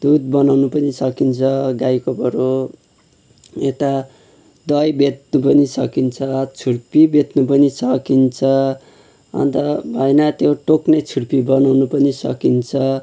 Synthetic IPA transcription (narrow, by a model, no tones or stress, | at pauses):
d̪ud̪̚bʌnawnupʌnisʌkint͡sʰʌɡajkopʌɾo | et̪a | d̪ʌjbet̪̚nupʌnisʌ̰kint͡sʰʌt͡sʰuɽpibet̪nupʌnisʌkint͡sʰʌ | ʌ̰nt̪ʌbʱʌenʌt̪joʈoknʌjt͡sʰuɽpibʌnawnupʌnisʌ̰kint͡sʰʌ